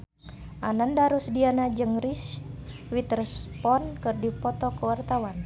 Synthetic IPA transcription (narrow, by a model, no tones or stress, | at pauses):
ʔanandaɾusdianad͡ʒɨŋriswit̪rɛspɔnkɨrdipɔt̪ɔkəwart̪awan